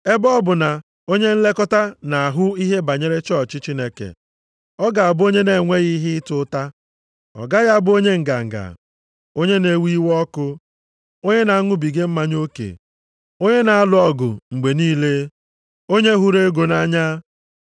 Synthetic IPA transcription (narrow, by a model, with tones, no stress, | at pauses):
e˦bɔ˦bʊ˨na˨ | o˦ɲe˦n̩˦le˦kɔ˦ta˦na˨a˨ɦʊ˦i˦ɦe˦ba˨ɲe˦ɾe˦t͡ʃɔ˦˨t͡ʃi˦t͡ʃi˦ne˦kḛ˨ | ɔ˦ɡa˨a˨bʊ˦o˦ɲe˦ne˨ŋʷe˦ɣi˦ɦɪ˦tʊ˦ta˦ | ɔ̰˨ɡa˦ɣa˦˨bʊ˦o˦ɲe˦ŋ̩˨ɡa̰˨ŋ̩˨ɡa̰˨ | o˦ɲe˦ne˨˦wi˦wɔ˦kʊ˦ | o˦ɲe˦na˨a˦ŋʊ˦bi˨ɡe˦m̩˦ma˦ɲo˦kḛ˨ | o˦ɲe˦na˨a˦lʊ˨ɔ˦ɡʊ̰˨ŋ͡m̩˨ɡ͡be˨niː˦le˦ | o˦ɲe˦ɦu˦ɾe˦ɡo˨na˦ɲa˦